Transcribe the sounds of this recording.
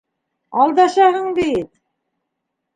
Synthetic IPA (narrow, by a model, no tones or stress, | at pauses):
ɑlˠd̪ɑʃɑɦɤɴb̪it̪̚